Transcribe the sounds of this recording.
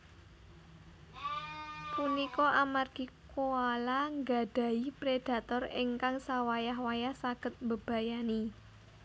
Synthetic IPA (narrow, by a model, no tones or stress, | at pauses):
punikɔʔamarɡ̥i̤koalaŋɡa̤ɖ̥ä̤ipɾed̥ä̤t̪ɔreŋkaŋsawajaɦwajahsaɡ̥ə̤t̪̚mbəb̥a̤jani